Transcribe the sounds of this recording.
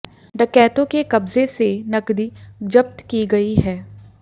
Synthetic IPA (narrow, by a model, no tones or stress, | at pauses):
ɖəkɛːt̪õkekɐbzesenɐkd̪id͡ʒɐp̚t̪kiɡɐiɦɛː